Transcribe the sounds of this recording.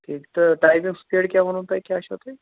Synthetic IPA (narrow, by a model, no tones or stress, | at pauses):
t̪ekt̪əʈajʋiŋɡspeɽkʲjam̤əñũnt̪ajkjaəɕat̪e